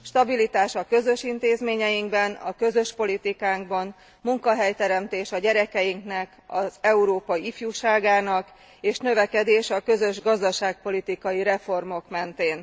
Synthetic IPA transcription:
ʃt̪ɒbilit̪aːʃɒkø̞zø̞ʃint̪eːzmeːɲɛjiŋɡbɛnɒkø̞zøʃpo̞lit̪ikaːŋɡbɒn | muŋkɒɦɛjt̪ɛɾɛmt̪eːʃɒɟɛɾɛkɛjiŋknɛkɒzɛuɾoːpɒjiifjuːʃaːɡaːnɒk | eːʃnø̞vɛkɛd̪eːʃɒkø̞zø̞ʒɡɒzd̪ɒʃaːk̚po̞lit̪ikɒjiɾɛfo̞rmo̞kmɛnt̪eːn

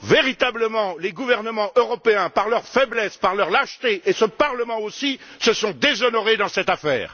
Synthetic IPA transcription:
veʁit̪abləmɑ̃leɡuvɛʁnəmɑ̃ʔøʁɔpeɛ̃paʁlœʁfɛblɛspaʁlœʁlaʃt̪eʔesəpaʁləmɑ̃osisəsɔ̃d̪ezɔnɔʁed̪ɑ̃sɛt̪afɛ̰ːʁ

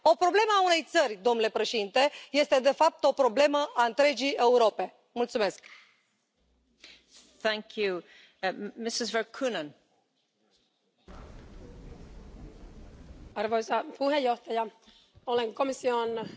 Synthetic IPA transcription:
o̞pɾo̞ble̞məaune̞jt̪sərʲd̪o̞mnule̞pɾe̞ʃe̞d̪int̪e̞je̞st̪e̞d̪e̞fap̚t̪o̞pɾo̞ble̞məʔaɨnt̪ɾe̞d͡ʒije̞uɾo̞pe̞ | mult̪sume̞sk | θæ̃ŋkʰju | mɪsɪzvə˞kʰunə̃n | arvojzapuɦejoht̪aja | oleŋkomision

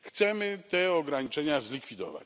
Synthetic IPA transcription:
xt̪sɛmɘt̪ɛɔɡɾaɲit͡ʂɛɲazlʲikfʲid̪ɔ̰va̰t͡ɕ

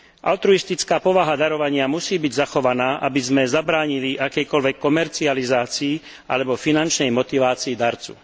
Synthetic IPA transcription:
ʔa̰lt̪ɾuist̪it͡skaːpɔʋaɦad̪aɾɔʋaɲɪamusiːbiɟzaxɔʋanaːʔabizmɛzabɾaːɲiliʔakɛjkɔlʋɛkːɔmɛɾt͡sializaːt͡siː | ʔa̰lɛbɔfinant͡ʃnɛjmɔt̪iʋaːt͡siːd̪aɾt͡sṵ

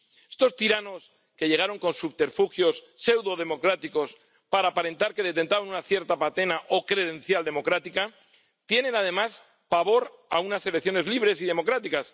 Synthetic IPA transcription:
est̪o̞st̪iɾano̞s | ke̞ʝe̞ɣ̞aɾo̞ŋko̞nsuβt̪e̞ɾfuxjo̞sːe̞wðo̞ð̞e̞mo̞kɾat̪iko̞s | paɾaːpaɾe̞nt̪aɾke̞ðe̞t̪e̞nt̪aβanunaθje̞ɾt̪apat̪e̞naʔo̞kɾe̞ð̞ẽ̞nθjald̪e̞mo̞kɾat̪ika | t̪je̞nẽ̞nað̞e̞mas | paβo̞ɾa̰unase̞lekθjo̞ne̞zliβ̞ɾe̞siðe̞mo̞kɾat̪ikas

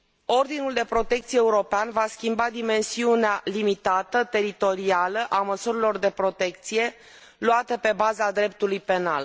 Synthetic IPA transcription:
o̞rd̪inuld̪e̞pɾo̞t̪e̞k̚t̪sijeeuɾo̞peanvaskʲimbad̪ime̞nsiunealimit̪at̪ət̪e̞ɾit̪o̞ɾialəʔaməsuɾilo̞rd̪e̞pɾo̞t̪e̞kt̪sije̞ | luat̪əpe̞bazad̪ɾe̞p̚t̪ulujpe̞na̰l

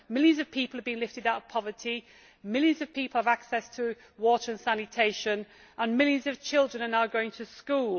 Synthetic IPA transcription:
mɪlˠjə̃nzəv̥pʰiˑpəl̩ˠəvbĩɪ̃ŋlɪftɪdaʊtəv̥pʰɒvətʰi | mɪlˠjə̃nzəv̥pʰiˑpl̩ˠəvaksɛstʰə | wɔˑtəɹə̃nsanɪtʰeɪʃə̃nʔə̃nmɪlˠjə̃nzəv̥t͡ʃʰɪlˠdɹə̃nənaʊɡoʊɪ̃ŋtʰəskuːlˠ

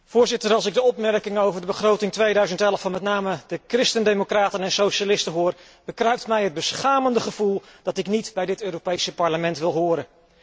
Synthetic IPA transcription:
v̥ʊːɹzɪtəɹɑlˠsɪɡ̚dəɔpmɛrkɪŋəowvəɹdəbəχrowtɪŋtʋejdœɥzəntɛləfɑnmɛtnaːmədəkrɪstəndemokraːtənɛnsowʃalɪstənɦʊːr | b̥əkrɛɥp̚tmɛjɦəd̚bəsχaːməndəχəv̥ulˠd̥ɑtɪknitbɛjdɪtøːɾopejsəpɑɹləmɛntʋɪlˠɦʊːɾən

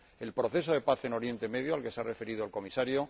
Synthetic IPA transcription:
e̞lpɾo̞θe̞s̬o̞ðe̞paθe̞no̞ɾje̞nt̪e̞me̞ðjoalke̞sare̞fe̞ɾiðoelko̞misaɾjo

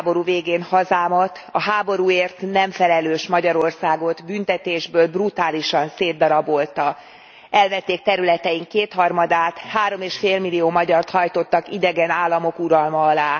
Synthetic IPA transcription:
bo̞ɾuːveːɡeːnhɒzaːmɒt̪ | ɒɦaːbo̞ɾuːeːrt̪nɛɱfɛlɛløːʃmɒɟɒɾo̞rsaːɡo̞d̪bynt̪ɛt̪eːʒbøːlbrut̪aːliʃɒnseːd̪ːɒɾɒbo̞lt̪ɒ | ɛlvɛt̪ːeːk̚t̪ɛɾylɛt̪ɛiŋkeːt̪hɒrmɒd̪aːt̪haːɾo̞meːʃfeːlmilioːmɒɟɒrt̪hɒjt̪o̞t̪ːɒkid̪ɛɡɛnaːlːɒmo̞kuɾɒlmɒːlaː

